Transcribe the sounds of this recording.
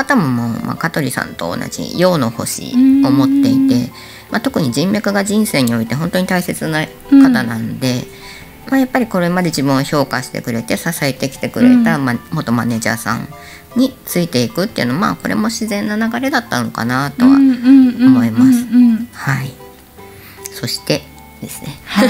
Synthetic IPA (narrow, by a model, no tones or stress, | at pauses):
kat̪amomomʔa̰kat̪o̞ɾʲisã̰nt̪o̞̰ːna̰d͡ʑḭjo̞ːno̞ho̞̰ɕḭo̞mo̞t̪ːe̞it̪e̞ | mat̪o̞kɯ̟ɲ̟id͡ʑĩmbʲakɯ̟ɡaʑĩɰ̃se̞ːɲ̟io̞it̪e̞ɦõ̞nt̪o̞ɲ̟it̪aise̞t͡sɨna | kat̪anãnod̪e̞ | maːjapːaɾʲiko̞ɾe̞mad̪e̞d͡ʑibɯ̃ɰ̃oço̞ːkaɕi̥t̪e̞̰kɯ̟ɾe̞t̪e̞sasae̞t̪ekʲi̥t̪e̞kɯ̟ɾe̞̰t̪amamo̞t̪o̞mane̞ːʑa̰ːsã̰ŋ | ɲ̟it͡sɨit̪e̞ikɯ̟t̪ːeiɯ̟no̞ma̰ːko̞ɾʔe̞̰mo̞ɕizẽ̞nːanaɡaɾe̞d̪at̪ːano̞ka̰nat̪o̞βa̰omo̞imasɨ̥hai | so̞ɕi̥t̪e̞ | d̪e̞sɨ̥ne̞